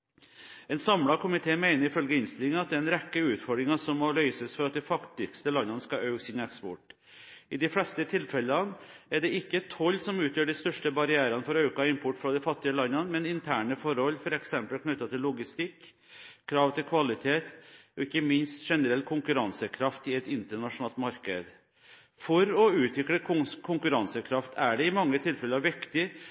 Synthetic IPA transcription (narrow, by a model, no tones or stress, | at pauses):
ɛnsɑmɽɑkʊmɪt̪ʰeːmæɪnəɾɪfœlɡəɪnst̪ɪlɪŋɑt̪̚d̪ɛɛnɾɛkːəʉːt̪fɔɖɾɪŋɑsɔmːɔlœʏsəsfɔɾɑt̪̚d̪ɛɪfɑkt̪ɪkst̪əlɑnːəɑnəskɑʔɑʉsɪnɛkspɔʈ | ɪd̪ɪflɛst̪ət̪ʰɪlfɛlːəɑnæɖɛɪkːət̪ʰɔlːsɔmʉːt̪jøːɖɪst̪œʂʈəbɑɾɪæːɾɑnəfɔɾɑʉkɑɪmpʰʊʈːfɾɑd̪ɛɪfɑt̪ːɪəlɑnːɑnmɛnɪnt̪ʰæːɳəfɔɾhɔlːfɔɾɛksɛmpəlkʰnʉt̪ːɑt̪ʰɪlːʊɡɪst̪ɪkː | kʰːɾɑːʋt̪ɪlkʰʋɑlɪt̪ʰeːt̪ɔɪkːəmɪnst̪ʂɛnəɾɛlkʰʊŋkʉɾɑnsəkʰɾɑft̪ɪɛt̪ɪnt̪əɳɑʂʊnɑːlt̪mɑɾkəd̪ | fɔɾɔʉːt̪ʋɪkɽəkʰʊŋkʉɾɑnsəkʰɾɑft̪ʰæɖɛɪmɑŋːət̪ʰɪlfɛləɾʋɪkt̪ɪ